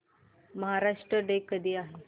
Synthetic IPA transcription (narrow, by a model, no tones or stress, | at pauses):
məɦaɾaʂʈɾəɖekəd̪ʱiːaɦe